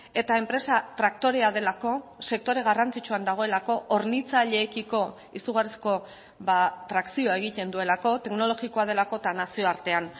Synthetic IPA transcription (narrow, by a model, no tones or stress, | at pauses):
e̞t̪ae̞mpɾe̞sat̪ɾakt̪o̞ɾe̞aðe̞lako̞se̞k̚t̪o̞ɾe̞ɣ̞arant͡sit͡ʃuand̪aɣ̞o̞e̞lako̞ʔoɾnit͡saʎe̞ːkiko̞ | isuɣarisko̞ | βat̪ɾaksio̞ae̞ɣ̞it̪e̞nd̪ue̞lako̞t̪e̞kno̞lo̞ɣiko̞að̞e̞lako̞et̪anasio̞aɾt̪e̞an